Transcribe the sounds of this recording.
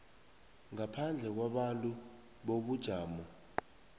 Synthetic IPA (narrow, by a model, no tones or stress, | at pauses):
ŋapʰand͡ɮʱɛk̬waɓantʼu | ɓoɓud̥ʒ̥ʱaːmɔ